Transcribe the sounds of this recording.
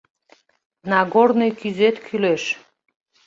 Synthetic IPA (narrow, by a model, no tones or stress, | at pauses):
nɑɣornojkyzet̪kʰyleʃ